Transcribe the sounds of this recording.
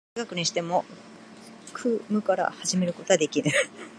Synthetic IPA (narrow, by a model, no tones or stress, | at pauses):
ɡakɯ̟ɲ̟iɕi̥t̪e̞mo̞ | kʰɯːmɯ̟kaɾa̰haʑime̞ɾɯ̟ko̞t̪o̞ad̪e̞kʲiɾɯ̟